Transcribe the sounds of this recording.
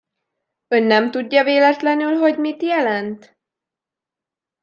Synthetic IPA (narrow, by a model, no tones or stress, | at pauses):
ø̞nːɛmt̪uɟːɒveːlɛt̪lɛnylɦo̞ɟmit̪jɛlɛnt̪